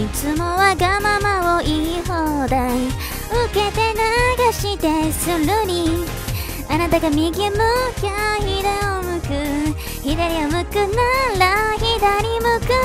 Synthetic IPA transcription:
it͡sɨmo̞βaɡamamaoʔihod̪ai | ɯke̞t̪e̞naɡaɕit̪e̞sɨɾɯɲi | anat̪aɡamʲiɡʲimɯkaçid̪aomɯ̟kɯ | çid̪aɾʲiamɯ̟kɯnalaçid̪anʲimɯkɯ

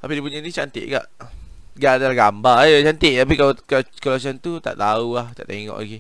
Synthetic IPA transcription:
t̪apidipuɲanit͡ʃant̪ḛʔɡa̰ʔ | ɡaʔdaɡambajət͡ʃant̪eʔt̪ap̬ikalkkəlas̬ant̪ut̪a̰ʔt̪aulaht̪aʔt̪eŋɔ̰ʔla̰ɡe

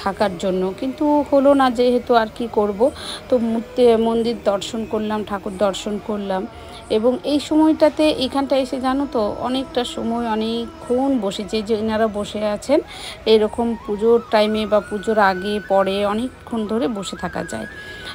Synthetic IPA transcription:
t̪ʰakaɾd͡ʑonːokint̪uholonad͡ʑeɦet̪uaɾkikoɾbot̪omut̪emond̪iɾd̪ɔɾʃonkoɾlamʈʰakoɾd̪ɔɾʃonkoɾlam | eboŋejʃɔmɔjʈat̪eʔejkʰanʈaeʃed͡ʑanot̪oɔ̰nek̚ʈaʃɔmɔeɔne | unboʃet͡ɕad͡ʑenaɾaboʃeat͡ɕʰen | ejɾɔkompud͡ʑoɾʈajmebapud͡ʑoɾaɡepɔɾeɔnekʰːund̪ʱoɾeboʃet̪ʰaka̰d͡ʑa̰e

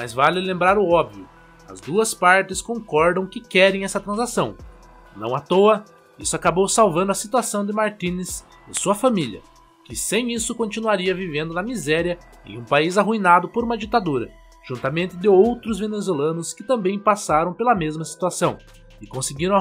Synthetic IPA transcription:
mɐ̰zvalɪlẽmbɾaɾʊɔbviʊ | ɐ̰zd̪uɐspaɾt̪ɪskõŋkɔɾd̪ɐ̃w̃kɪkɛɾẽj̃ɛsɐt̪ɾɐ̃zasɐ̃w̃ | nɐ̃w̃at̪oɐ | isʊakabowsawvɐ̃nd̪ʊɐsit̪uasɐ̃w̃d̪ɪmaɾt̪ĩnɪs | ɪ̰suɐfamiliɐ̰ | kɪsẽj̃isʊkõnt͡ʃ̪inuaɾiɐvivẽnd̪ʊnɐmizɛɾjɐ | ḛ̃j̃ũpaizaɦuinad̪ʊpoɾũmɐd͡ʒit̪ad̪uɾɐ̰ | ʒ̥ũnt̪amẽnt̪ɪd̪ɪowt̪ɾʊzvenezwelɐ̃nʊskɪt̪ɐ̃mbẽj̃pasaɾɐ̃w̃pelɐmezmɐsi̥t̪uasɐ̃w̃ | ɪkõsɪɡiɾɐ̃

